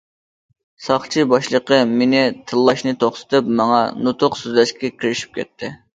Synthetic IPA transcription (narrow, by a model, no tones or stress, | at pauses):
sɑχt͡ʃʰibɑʃlˠəqəmenɪt̪ʰɨlˠːɑʃnɨt̪ʰoχsɨ̥t̪ʰɨpmɑŋɑnut̪ʰʊqsyzlɛʃkʲɛkʲʰiɾɪʃi̥p̚kʲɛ̰t̪ʰːɪ